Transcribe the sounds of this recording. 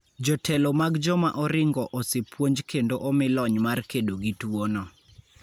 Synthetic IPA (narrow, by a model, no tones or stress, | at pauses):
d͡ʒɔtʰɛlɔmaɡd͡ʒɔmaʔɔɾɪŋɡɔʔɔsepwoɲd͡ʒkʰendoʔɔmɪlɔɲmarkedoɡitwonɔ